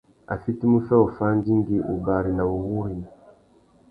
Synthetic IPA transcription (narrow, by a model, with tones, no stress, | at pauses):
a̰˨fi˦ti˦mu˦sa˦u˨fa˦nd͡ʒi˦ŋɡi˦ʔṵ˨ba˨ɾi˨na˨βu˨ɣu˦ɾi˨ni˨